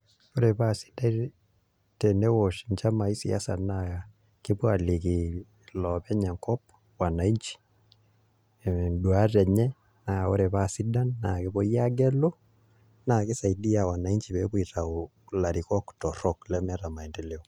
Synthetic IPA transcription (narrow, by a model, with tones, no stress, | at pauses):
o˦ɾe˨pa˦˨si̥˦da˦ɾ | tɛ˨nɛ˦wɔ˨ʃi˨ɲt͡ʃa˦ma˨i˦sḭ˨a̰˦sa̰˨na˨a˨ | kɪ˦po˦a˨li˨ki˨ | lɔpɛ˦ɲɛ˨ŋkɔ˦p̚ | wa˨na˨i˦ɲt͡ʃi̥˦˨ | dwa˦tɛ˨ɲɛ˦ | na˨o̰˦ɾɛ˨pa˦˨si˦da˦nːa˨ke˦bɔ˦ja˦ɡɛ˦lo˦ | na˨ke˦sa˨i˨di˦a˨wa˨na˨i˦ɲt͡ʃi˨pɛ˦ku˦i˨ta˨o˨ | la˨ɾi˨kɔ˦ktɔ˨ɾɔ˦klɛ˦mɛ˦ɾa˨ma˨i˨ndɛ˨lɛ˦o˦